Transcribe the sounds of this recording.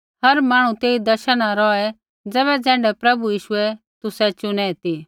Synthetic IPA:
ɦɐɾmaːɽ̃ũt̪eːid̪ɐʃəɽ̃ãɾɔːɛ | d͡zɛːbɛd͡zɛ̃ːɳɖɛpɾɐbujiːʃʊɛ | t̪ʊsɛt͡ʃʊnɛt̪i

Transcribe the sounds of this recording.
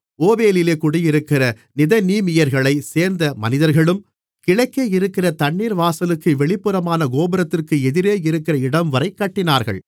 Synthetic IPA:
oːbeːlɪleːkʊɽɪjɪɾɯkːɪɾɐ | nɪðɐniːmɪjɐɾɣɐɭɐɪseːɾnd̪ɐmɐnɪðɐɾɣɐɭɯm | kɪɻɐɪkːeɪɾɯkːɪrɐt̪ɐɳːiːɾʋaːsɐlɯkːɯʋɛɭɪpːɯɾɐmaːnɐɡoːbɐɾɐt̪ːɪrkɯɛðɪɾeːɪɾɯkːɪrɐɪɽɐmʋɐɾɐɪkːɐʈːɪnaːɾɣɐ̰ɭ

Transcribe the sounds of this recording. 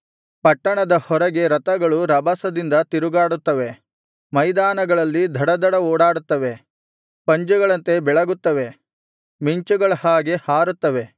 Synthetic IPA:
pɐʈːɐɳɐd̪ɐhɔɾɐɡe̞ɾɐt̪ɐɡɐɭuɾɐbɐsɐd̪ind̪ɐt̪iɾuɡaːɽut̪ːɐʋe̞ | mɐjd̪aːnɐɡɐɭɐlːid̪ʱɐɽɐd̪ʱɐɽɐoːɽaːɽut̪ːɐʋe̞ | pɐɲd͡ʒuɡɐɭɐnt̪e̞bɛɭɐɡut̪ːɐʋe̞ | miɲt͡ʃuɡɐɭɐhaːɡe̞haːɾut̪ːɐʋe̞

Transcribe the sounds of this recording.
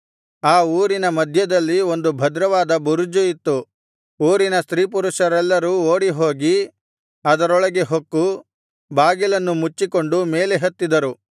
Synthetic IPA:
aːuːɾinɐmɐd̪ʱjɐd̪ɐlːio̞nd̪ubʱɐd̪ɾɐʋaːd̪ɐbuɾud͡ʒuit̪ːu | uːɾinɐst̪ɾiːp̬uɾuʂɐɾɛlːɐɾuːoːɽiɦo̞ːɡi | ɐd̪ɐɾɔɭɐɡe̞ɦokːu | baːɡilɐnːumut͡ʃːiko̞ɳɖume̞ːleɦɐt̪ːid̪ɐɾu

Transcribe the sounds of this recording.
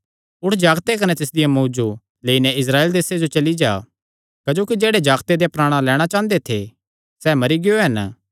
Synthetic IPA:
ʊʈʰd͡ʒaːɡt̪ekɐnɛt̪ɪs̬d̪ɪjamuːd͡ʒu | leːinɛɪs̬ɾaːeːld̪eːsed͡ʒot͡ʃɐlid͡ʒaː | kɐd͡ʒoːkid͡ʒeːɽed͡ʒaːɡt̪ed̪ejapɾaːɽ̃ãlɛːɽ̃at͡ʃãːnd̪et̪ʰḛ | sɛmɐɾiɡɪjoɦɐn

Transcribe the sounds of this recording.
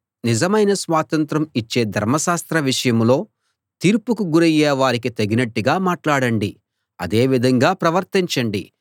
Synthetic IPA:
nizɐmɐjnɐsʋaːt̪ɐnt̪ɾɐmit͡ʃːe̞ːd̪ʱɐɾmɐʃaːst̪ɾɐʋiʂɐjɐmlo̞ː | t̪iːɾpukuɡuɾɐjɛːʋaːɾik̬it̪eɡinɐʈːiɡaːmaːʈlaːɽɐɳɖi | ɐ̰d̪e̞ːʋid̪ʱɐŋɡaːpɾɐʋɐɾt̪iɲt͡ʃɐɳɖi

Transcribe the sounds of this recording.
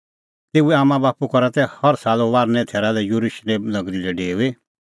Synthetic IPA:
t̪eːuɛaːmãbaːpukɔɾat̪ɛhɐɾsaːloʋaːɾnɛ̃t̪ʰeːɾalɛjuɾuʃleːmlɐɡɾilɛɖeːe

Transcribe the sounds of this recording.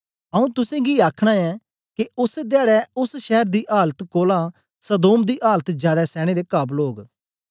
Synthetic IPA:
ɐũt̪ʊsẽːɡiaːkʰɽ̃ãɛː | keʊsd̪ɪaːɽɛʊsʃɛɦəɾd̪iːʔaːlət̪koːlã | səd̪oːmd̪iːʔaːlət̪d͡ʒjaːd̪ɛsɛːɽ̃ed̪eːkaːbloːɡ

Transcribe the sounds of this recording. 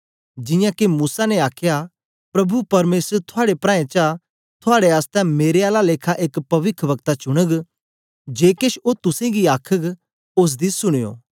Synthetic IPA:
d͡ʒɪjãkemuːsanɛaːkʰja | pɾɐbʱupɐɾmeːsəɾt̪ʰʊaːɽepɾãːẽt͡ʃa | t̪ʰʊaːɽeaːst̪ɛ̃meːɾeaːlaleːkʰaʔeːkpɐʋɪkʰʋɐɡt̪at͡ʃʊɽ̃əɡ | d͡ʒeːkeʃot̪ʊsẽɡiaːkʰəɡ | ʊs̬d̪isʊɽ̃ɪjo̰ː

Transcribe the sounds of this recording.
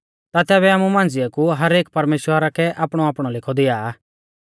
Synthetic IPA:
t̪at̪ɛːβɛaːmumãːnd͡zɪjakuɦɐɾeːk̚pɐɾmeːʃwəɾakɛʔaːpɽ̃ɔaːpɽ̃ɔlɪkʰɔd̪ɪaː

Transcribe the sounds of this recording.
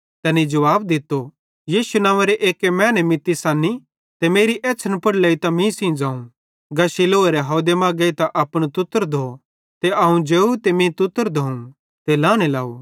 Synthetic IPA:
t̪ɛnid͡ʒɐʋaːbd̪ɪt̪ːo | jiːʃunãːʋeɾeʔeːkemɛ̃ːnemɪt̪ːisaːni | t̪emeːɾiʔɛːt͡ʃʰənpɐɽlɐːit̪ɐmĩsĩd͡ʒaːũ | ɡɐʃiloːeɾeɦoːd̪emaːɡeit̪aʔɐpɽ̃ot̪ʊt̪ːəɾd̪ʱo | t̪eʔɐɦũd͡ʒeːut̪emĩt̪ʊt̪ːəɾd̪ʱoũ | t̪elaːɽ̃ela̰ːu

